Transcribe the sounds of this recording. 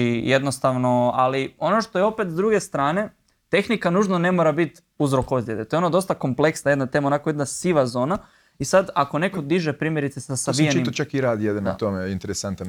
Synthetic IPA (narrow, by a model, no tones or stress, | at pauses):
ijed̪nost̪aʋno̞alio̞no̞ʃt̪o̞jeo̞pet̪zd̪ɾuɡe̞st̪ɾaːne̞ | t̪e̞xnikanuːʒnone̞mo̞ɾabit̪ | uzɾo̞kozjet̪et̪oeonad̪o̞st̪ako̞mple̞ksnaje̞d̪nat̪e̞maonakojed̪nasiʋazo̞ːna | isad̪ako̞ne̞ko̞d̪iʒepɾiːmjeɾit̪sesasabieimt͡ʃakiɾaːd̪ijed̪anat̪omeint̪eɾesant̪an